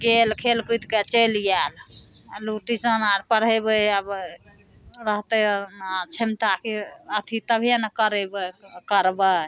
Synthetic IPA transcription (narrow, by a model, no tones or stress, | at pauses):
ɡelkʰelkujt̪ket͡ʃəlijalluʈisənaɾpəɽəbəəb | ɾəɦt̪et͡ʃʰimt̪akeət̪ʰit̪əbʱjanəkəɾebəkəɾbə